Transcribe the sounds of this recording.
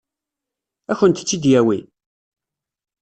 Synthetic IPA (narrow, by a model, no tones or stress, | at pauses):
æçənt̪ə̥t͡sːid̪jæwi